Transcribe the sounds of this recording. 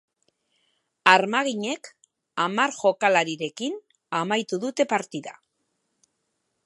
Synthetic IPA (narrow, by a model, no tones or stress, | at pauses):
aɾmaɣ̞iɲe̞k | amaɾʝo̞kalaɾiɾe̞kin | amajt̪uðut̪e̞paɾt̪iða̰